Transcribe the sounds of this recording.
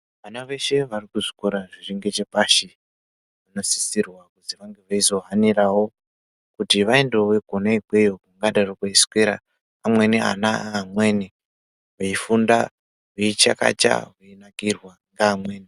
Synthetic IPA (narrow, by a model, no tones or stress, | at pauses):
ʋanaʋe̞ʃe̞ʋarikuʐi̥koɾaʐiriŋɡe̞t͡ʃe̞paʃi | ʋano̞si̥sirwakuziʋaŋɡeʋaizo̞ɦaniɾawo̞ | kutiʋaendoweɡʱoneiɡʱwejokuŋɡaɗarokoiskweɾa̰ | amwe̞nia̰naaːmweːni | ɦeifunda | ɦuit͡ʃa̰ka̰t͡ʃa̰ɦuinakirwaŋɡaːmweːni